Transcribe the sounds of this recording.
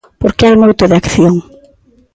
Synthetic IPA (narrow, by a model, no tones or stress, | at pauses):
poɾkɪɛɾmojt̪oðɪakθjoŋ